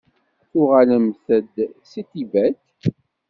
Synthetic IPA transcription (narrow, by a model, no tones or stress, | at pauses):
θʊʁaləmθəd̪sit̪ivæθ